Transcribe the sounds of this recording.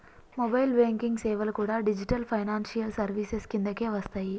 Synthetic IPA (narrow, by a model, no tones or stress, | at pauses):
mobɐjlbeːŋkiŋɡseːʋɐlkuːɽaːɖid͡ʒiʈɐlpʰɐjnaːnsijɐlsɐɾʋiːseskind̪ɐke̞ːʋɐst̪aːji